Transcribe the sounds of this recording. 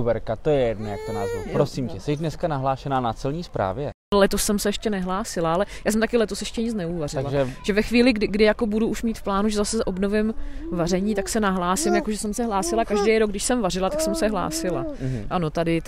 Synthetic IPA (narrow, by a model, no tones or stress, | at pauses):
bɛɾkat̪ojɛjɛdnajakona̰ːzvṵpɾosimcɛsɛʒdnɛskanaɦlaːʃɛnaːnat͡sɛlɲiːspɾa̰ːvjɛ | lɛt̪osːɛmsɛɛʃcɛnɛɦlaːsɪlaalɛjaːsɛmt̪akɪlɛt̪osjɛʃcɛɲɪt͡snɛuːvarɪaɡlaʒɛʒ̥ɛvɛxviːlɪɡdɪɡdɪjako̞buduuʃmiːt̪fplaːnuʒɛzasɛzʔo̞bno̞vɪmvar̝ɛɲiːt̪aksɛnaɦlaːsɪmjakoʒɛsɛmsɛɦlaːsɪlakaʒdɛjɾoɡ̚dɪʃsɛmvarɪlat̪aksɛmsɛɦla̰ːsɪlaʔanot̪adɪt̪